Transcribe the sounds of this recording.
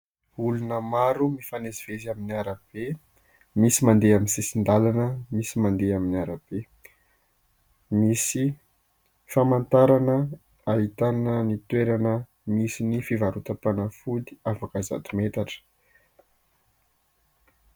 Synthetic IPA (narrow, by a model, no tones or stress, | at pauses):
ulunəmaɾumifaneziv̥ezaminiaɾəb̥e | misimand̪eaminsesind̪alanəmisimand̪eaminiaɾab̥e | misi | famant̪aɾanə | aɦit̪annənit̪weɾanə | misinifivaɾut̪apanafuliafakaza̰t̪umet̪aʈ͡ʂə̥